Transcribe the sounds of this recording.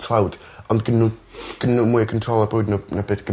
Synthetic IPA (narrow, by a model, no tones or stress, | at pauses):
sʰlˠawd̥ | ɔndɡənːuɡ̥ənːumuɨkʰəntʰrɔlˠɔbowdnunabeːθɡ̥ə